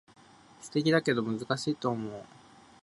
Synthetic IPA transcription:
sɨ̥t̪e̞kʲid̪ake̞d̪o̞mɯ̟zɨkaɕiːt̪o̞ːmo̞ː

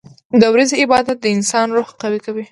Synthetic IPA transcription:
d̪əwɾazeɪbɑd̪at̪̚d̪əɪnsɑnɾoxqawikawi

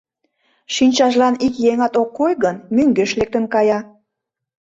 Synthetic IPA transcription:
ʃinʲt͡ɕɑʒlɑnikjeŋɑt̪okːojɣənmyŋɡøʃlek̚t̪ənkɑjɑ

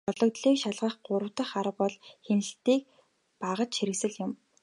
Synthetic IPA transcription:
ɔɮɞ̆kt̪ɮiːkʃaɮʁə̆χɢʊɾə̆wt̪ə̆χaɾə̆pɔɮxenɘ̆ɬt̪iːk̚ | paʁə̆t͡ɕʃxiɾɘ̆ksɘ̆ɮjʊm

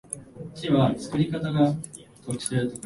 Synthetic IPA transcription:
kʲiβat͡sɨ̥kɯ̟ɾʲikat̪aɡat̪oki̥t̪eɾɯ̟t̪ok

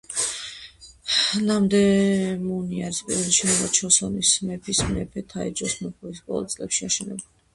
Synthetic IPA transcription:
namd̪ɛmuniaɾispʼḭɾɔd̪iʃɛnɛvat͡ʃʰɔsɔnismɛpʰismɛpʰɛt̪ʰaɛ̰d͡ʒɔsmɛχuispʼɔ̰lˠa̰t̪sʼlɛpʃiaʃɛnɛbuli

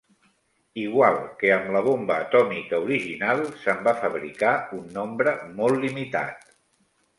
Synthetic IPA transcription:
iɣwalˠkeəmləβ̞ombəːt̪ɔmikəuɾiʒinalˠsəmbafəβɾḭkaunːombɾəmɔlˠːimit̪a̰t̪

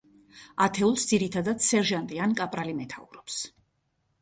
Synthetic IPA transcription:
at̪ʰɛulˠsd̪ziɾit̪ʰad̪ad̪sɛɾʒant̪ʼiankʼapʼɾalimɛt̪ʰauɾɔps

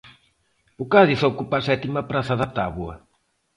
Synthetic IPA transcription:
ukaðisaukupasɛt̪imɐpɾaθaðat̪aβwɐ

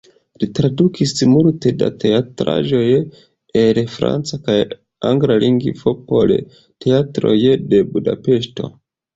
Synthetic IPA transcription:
litɾadukʰismuɾte̞da̰te̞atɾa̰ʒo̞j | elfɾa̰nt͡sakaj | aŋɡɾaliŋɡifopol | te̞atɾo̞̰jde̞buda̰pe̞ʃto̞̰

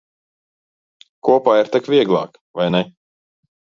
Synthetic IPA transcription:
kuɔpaːiɾt̪akvʲiɛɡlˠɑ̰ːk | vajnɛ

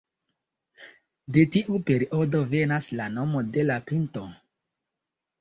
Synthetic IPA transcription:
de̞tiʔupe̞ɾiʔo̞do̞ve̞naslano̞mo̞de̞lapinto̞

